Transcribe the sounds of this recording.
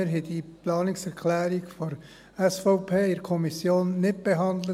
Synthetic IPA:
ɾɦɛdiplɑːnɪksɛɾkʰlɛːɾɪɡfɔɾ | ɛsfɔʊpʰeːɪɾkʰɔmisjoːnːɪt̚b̥eɦɑnd̪lə

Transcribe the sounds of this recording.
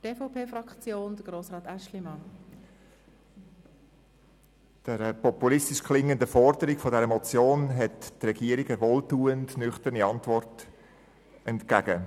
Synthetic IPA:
tefaʊpʰeːfɾɑkt͡sjoːnd̥̪əɡ̥ɾoːsʁɑːt̪æʃlimɑn | d̥ɛɾəpɔpulɪstɪʃkχlɪŋːəndəfɔrdəɾɪɡ̥fɔdɛɾəmɔt͡sjoːnɦɛttrɛɡiːəɾiɡəvoːltuːəndnʏχtəɾniɑntvɔrt | ɛntkæːɡə

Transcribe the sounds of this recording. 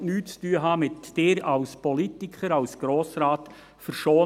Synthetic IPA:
nyːt͡styəɦɑːmɪtd̥eːɾɑʊspɔlitɪkχəɾɑwsɡ̥ɾoːsɾɑːt̪ | fəɾʃoː

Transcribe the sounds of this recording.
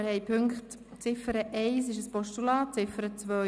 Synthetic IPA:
əɾhɛɪpʰʏŋkχt | t͡sɪfəɾəʔɛɪs̬ɪʃəspɔʃtulɑːt͡sɪfəɾət͡sʋœ

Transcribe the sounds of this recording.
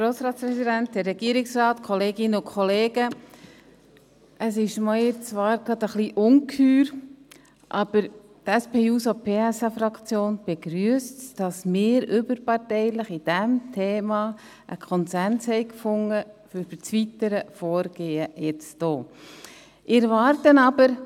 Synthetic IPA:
ɾoːsɾɑːtspɾɛsidænt̚dɛɾːɛɡ̥iəɾɪksrɑːt̪kʰɔleːɡɪnəʊkʰχɔleːɡ̥ə | ʔəsɪʃmɑjɪt͡sʋɑːɾɡlɑd̪əχliʔʊŋkʰyːɾ | ʔɑb̥əɾ | tɛspeːuːsopʰeːæsɑfɾɑkt͡sjoːnb̥ɛɡ̥ɾyəstd̥ɑsmɪːɾʏbəɾpɑrtɛɪlɪχid̥ɛmtʰeːmɑ | ʔəkʰχɔnsænshɛɪkfʊŋːəfb̥ət͡sʋitəɾəfɔːɾɡ̥eːəjɛt͡sd̥oː | ʔɪɾvɑːɾtənɑb̥əɾ

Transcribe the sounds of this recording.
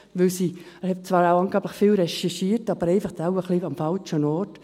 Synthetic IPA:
ʋɪlsi | əhɛp̚t͡sʋɑːɾaʊɑnŋɡ̥aːbləχfilɾɛʃɛʃiːəɾtɑbəɾɛɪfɑχt̪aʊəχliɑmfɑlt͡ʃənɔːɾt

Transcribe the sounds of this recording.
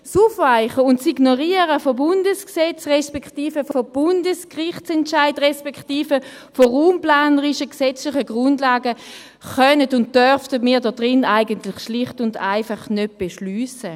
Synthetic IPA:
suːfvaɪχəʊntsiɡnoʁiəʁəfobʊndəsksɛt͡sʁɛspɛkχtiːfəfob̥ʊndəskʁɪχt͡sɛntʃaɪdʁɛspɛkχtiːfə | foʁuːmplaːnəʁiʃəksɛt͡slɪχəɡʁʊndlaːɡə | χœnədʊnt̚d̥œʁftədmiːɐdɔdʁɪnaɪɡəntlɪχʃlɪχtʊndaɪfaχnød̚b̥eʃlyːsə

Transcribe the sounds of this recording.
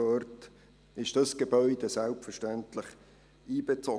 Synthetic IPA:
œrt | ɪʃd̥ɑsɡ̥ebœʏdəsælpfərʃtæntlɪχ | iːb̥et͡sɔ

